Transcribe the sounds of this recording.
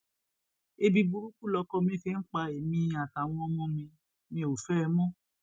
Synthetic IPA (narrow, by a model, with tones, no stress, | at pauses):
e˧bi˧bu˧ɾu˦ku˦˨lɔ˧kɔ˧mĩ˦˨fe˦n̩˦k͡pa˧e˨mĩ˧a˨ta˨w̃ɔ̃˧ɔ˧mɔ̃˧mĩ˧ | mĩ˧o˨fɛ˦˧mɔ̃˦˨